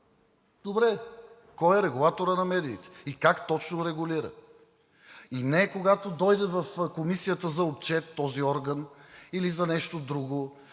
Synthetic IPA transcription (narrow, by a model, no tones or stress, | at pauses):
d̪obɾɛ | kɔjɛɾɛɡulˠat̪oɾənɐmɛd̪iːt̪ɛ̥ikakt̪ɔt͡ʃnoɾɛɡuliɾə̰ | inɛkoɡat̪od̪ɔjd̪ɛvɐfkomisijət̪əzɐot̪̚t͡ʃɛt̪ːɔziɔɾɡənilizɐnɛʃt̪od̪ɾuɡo